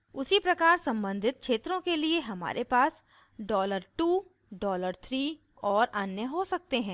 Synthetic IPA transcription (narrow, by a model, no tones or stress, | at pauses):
ʊsipɾɐkaːɾsɐ̃mbə̃nd̪ʱɪt̪̚kʰʃʰeːt̪ɾõkelieɦɐma̰ːɾʔepaːs | ɖɔːləɾʈuː | ɖɔːləɾt̪ʰɾiː | ɔːɾɐnjəɦosɐk̚t̪eɦɛ̃ː